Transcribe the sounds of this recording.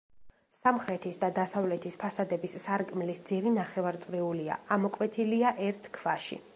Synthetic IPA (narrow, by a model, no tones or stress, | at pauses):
samχɾɛt̪ʰisd̪ad̪asavlɛt̪ʰispʰasad̪ɛbisːaɾkʼmlisd̪ziɾinaχɛvaɾt̪sʼɾiulia̰amɔkʼwɛt̪ʰiliaʔɛɾt̪ʰkʰv̥aʃḭ